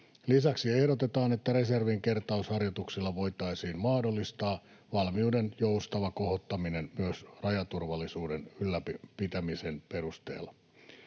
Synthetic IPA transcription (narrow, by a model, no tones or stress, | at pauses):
lisæksie̞hdot̪et̪ɑːnet̪ːæɾe̞serʋiŋke̞rt̪ɑushɑrjot̪uksilːɑʋo̞jt̪ɑisiːnmɑːdolːist̪ɑː | ʋɑlmiudenjoust̪ɑʋɑko̞hot̪ːɑminenmyøsrɑjɑt̪urʋɑlːisuːdenylːæpipit̪æmisenpe̞ɾust̪ḛːlːɑ